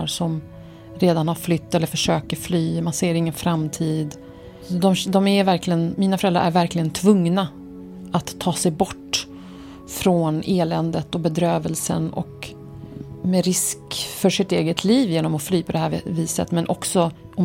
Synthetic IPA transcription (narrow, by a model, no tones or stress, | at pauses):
ʂɔm | ɾeːd̪anhaɾflʏt̪ːɛləɾfœʂøːkəɾflyːmanseːɾɪŋːənfɾamːt̪ʰiːd̪ | d̪ɔmd̪ɔmæɾvæɾklɪɡənmiːnafœɾɛlɾa̰ɾæ̰ɾvæɾklɪɡənt̪ʰvɵŋna | at̪ʰːɑːsɛjbɔʈː | fɾɔnʔeːlɛnd̪ət̪ɔbɛd̪ɾøːvəlsə̰nɔ̰k | mɛɾɪskfœʂɪt̪eːɡət̪ʰliːvjeːnɔmɔflyːpʰɔd̪ɛhæviːsə̰t̪mɛnʔɔksɔ | ɔm